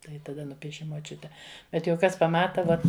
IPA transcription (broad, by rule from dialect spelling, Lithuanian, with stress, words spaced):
ˈtɐɪ tɐˈdɐ ˈnʊpʲiɛʃʲɪ moːˈt͡ʃʲʊtʲɛ bʲɛt jɛʊ ˈkɐs pɐˈmɑːtɐ ˈʋoːt